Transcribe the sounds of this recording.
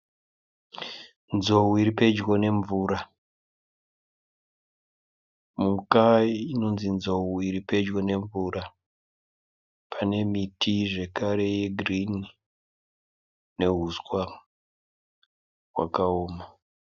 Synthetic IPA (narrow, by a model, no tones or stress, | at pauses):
nzo̞wuiɾipe̞d͡ʒɡo̞ne̞ɱvuɾa | mukaino̞nzinzo̞wuiɾipe̞d͡ʒɡone̞ɱvura | pʰane̞mitʰiʐe̞kaɾe̞je̞ɡʱrin | ne̞ɦuskwa | ɦwa̰kaoːma